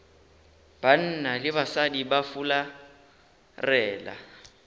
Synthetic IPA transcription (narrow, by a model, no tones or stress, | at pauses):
b̥an̩nalɪbasadibafula | rɛːla̰